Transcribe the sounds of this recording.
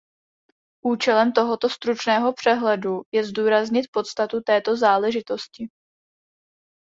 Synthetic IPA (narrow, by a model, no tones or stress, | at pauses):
ʔuːt͡ʃɛlɛmt̪o̞ɦo̞t̪o̞st̪ɾut͡ʃnɛːɦo̞pr̝̥ɛɦlɛdujɛzduːɾazɲɪt̪̚po̞t̪st̪at̪ut̪ɛːt̪o̞zaːlɛʒɪt̪o̞scɪ